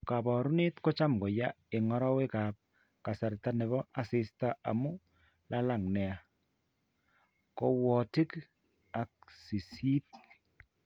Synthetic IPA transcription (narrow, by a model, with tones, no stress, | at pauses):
ka˨bɔ˨ɾu˦ne˦tko˦t͡ʃa˦mɡɔ˨ja˦ | e˨ŋɔ˦ɾɔ˦we˦ka˨p̚ | ka˨sa˨rta˦nɛ˨βɔ˦a˨sɪ˦sta˦a̰˨mu˦ | la˦la˨ŋnɛ˨a˨ | ko˦wɔ˨ti˦k | a˨k̚si˨si˦t̚